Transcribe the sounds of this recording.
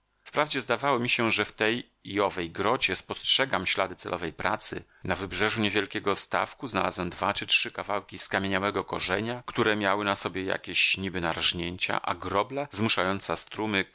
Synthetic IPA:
fpɾavd͡ʑɛzd̪avawɔmʲiɕɛʐɛft̪ɛj | iɔvɛjɡɾɔd͡ʑɛspɔstʂɛɡamɕlad̪ɘt̪sɛlʔɔvɛjpɾat̪sɘ̰ | navɘbʐɛʐuɲevʲjɛlkʲɛɡɔst̪a̰fkuzna̰la̰zwɛmd̪vat͡ʂɘtʂɘkavawkʲiskamʲjeɲawɛɡɔkɔʐɛɲakt̪uɾɛmʲjawɘnasɔbʲjɛja̰kʲeɕɲibɘnaɾaʐɲeɲt͡ɕa̰ʔa̰ɡɾɔblazmuʂajɔnt̪sast̪ɾumɘ

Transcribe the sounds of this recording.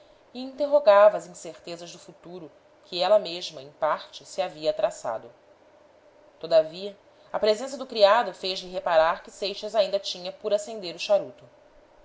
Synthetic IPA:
iĩnt̪eɦoɡavɐːzĩseɾt̪ezɐʒd̪ʊfut̪uɾʊ | kʰɪɛlɐmeʒmɐẽj̃paɾt͡ʃɪsiaviɐːt̪ɾasa̰d̪ʊ | t̪od̪aviɐ | ɐpɾezẽs̬ɐd̪ʊkɾiad̪ʊfejʒlɪɦepaɾaɾkɪsejʃɐzaĩnd̪ɐt͡ʃĩɲɐpʊɾasẽnd̪eɾʊʃaɾut̪ʊ

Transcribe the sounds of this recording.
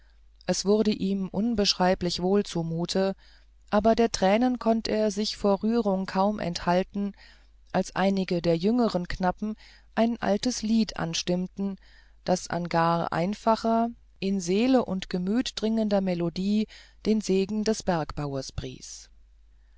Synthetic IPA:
ʔɛsv̥ʊɐdəʔiːmʔʊnbəʃʁ̥aɪplɪçv̥oːlt͡sumuːtʰə | ʔaːbɐdeːɐtʁ̥ɛːnənkʰɔntəeːɐzɪçfoːɐʁyːʁ̞ʊŋkʰaʊmʔɛ̰nthaltn̩ | ʔalsʔa̰ɪnɪɡədeːɐjʏŋəʁ̞ənknapm̩ | ʔaɪnʔa̰ltəsliːtʰʔa̰nʃtɪmtn̩ | d̥asʔa̰nɡaːɐʔa̰ɪnfaχɐ | ʔɪnzeːləʔʊntɡ̥əmyːtd̥ʁɪŋəndɐmɛlodiː | d̥eːnzeːɡŋ̩dɛsb̥ɛɐkb̥aʊɐsb̥ʁḭːs

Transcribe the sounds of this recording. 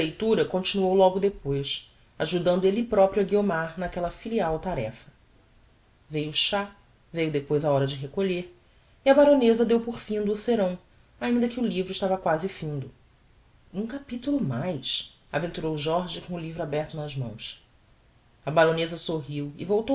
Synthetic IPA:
lejt̪uɾɐkõnt͡ʃinuowlɔɡʊd̪epojs | aʒud̪ɐ̃nd̪ʊelɪpɾɔpɾjuɐɡiomaɾnakɛlɐfiliawt̪aɾɛ̰fɐ̥ | vejuʃa | vejʊd̪epojzaɔɾɐd͡ʒɪɦekoʎeɾ | iɐbaɾõnezɐd̪ewpoɾfĩd̪ʊːseɾɐ̃w̃ | aĩnd̪ɐkɪulivɾʊɪʃt̪avɐkwazɪfĩnd̪ʊ | ũkapit̪ulʊmajs | avẽnt̪uɾowʒɔɾʒɪkõʊlivɾabɛɾt̪ʊnɐʒmɐ̰̃w̃s | ɐbaɾõnezɐsoɦiwɪ̰vowt̪o

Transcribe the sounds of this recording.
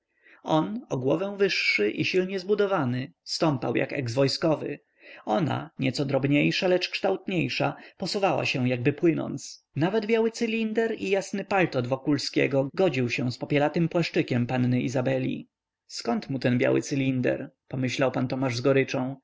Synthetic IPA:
ɔnɔɡwɔvɛw̃vɘʂːɘʔiɕilɲɛzbud̪ɔvanɘst̪ɔmpa̰wja̰kɛ̰ɡzvɔjskɔvɘ̰ | ɔna̰ɲɛt̪sɔd̪ɾɔbɲejʂalɛt͡ʂkʂt̪awt̪ɲejʂapɔsuvawa̰ɕɛ̃jaɡ̚bɘpwɘnɔ̰nt̪s | navɛd̪bʲjawɘt̪sɘlʲind̪ɛɾijasnɘpalt̪ɔd̪vɔkulskʲɛ̰ɡɔɡɔd͡ʑiwɕɛw̃spɔpʲjɛlat̪ɘmpwaʂt͡ʂɘkʲɛmpanːɘizabɛlʲḭ | skɔnt̪mut̪ɛnbʲja̰wɘ̰t̪sɘlʲind̪ɛ̰ɾ | pɔmɘɕlawpant̪ɔmaʐzɡɔɾɘt͡ʂɔ̃w̃

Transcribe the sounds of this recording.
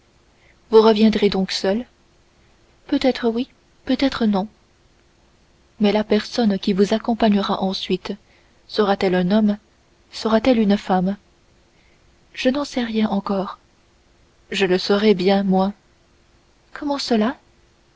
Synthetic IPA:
vuʁəvjɛ̃d̪ʁed̪ɔ̃ksœl | pøt̪ɛt̪χəwi | pøt̪ɛt̪χənɔ̃ | mɛlapɛʁsɔnkʲivuzakɔ̃paɲəʁaʔɑ̃sɥit̪ | səʁat̪ɛlœ̃nɔm | səʁat̪ɛlynfam | ʒ̥ənɑ̃sɛʁjɛ̃ʔɑ̃kɔːʁ | ʒələsɔʁɛbjɛ̃mwa | kʰɔmɑ̃səla

